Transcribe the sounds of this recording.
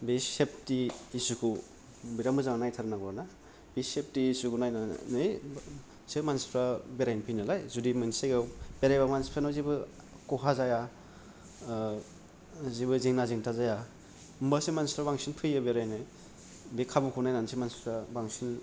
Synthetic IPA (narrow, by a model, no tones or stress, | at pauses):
bisep̚tiːsukʰu | biɾamɯzaŋanajtʰaɾanaɡɔɾana | bisep̚tisukunajna̰nɯj | semanspʰɾabeɾajnpʰɯjnalajzudimɯnsajɡab̥eɾajbamanspʰɾanazibɯ | kɔɦazaja | zibɯziŋnaziŋtʰazaja | mbasemanspʰɾabaŋsinpʰɯjabeɾajnɯj | bekʰabukʰunajnansimanspʰɾabaŋsin